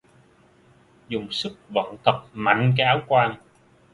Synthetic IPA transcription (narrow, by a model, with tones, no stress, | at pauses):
zʊ˨˩ŋ͡msɨ˦˥k̚və̰˧˨nt̪ʰə˨˩p̚ma̰˧˨jŋ̟k̬a˨˧˦aː˨˦wkwaː˧n